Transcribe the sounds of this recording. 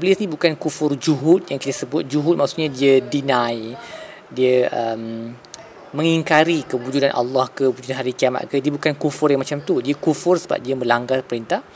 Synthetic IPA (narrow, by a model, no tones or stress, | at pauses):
bəlisnĩbukankufʊrd͡ʒuɦʊt̪̚jaŋkit̪asəbʊt̪̚d͡ʒuɦut̪̚maʔksuʔɲadiədinãj | diəʔəmː | ə̃ŋiŋkaɾikəbud͡ʒunanʔa̰lːahkəbud͡ʒunanɦaɾikiama̰ʔkədiəbukankufʊrjaŋmat͡ʃamt̪udiəkufʊrsəba̰p̚diəməlaŋɡarpəɾint̪ah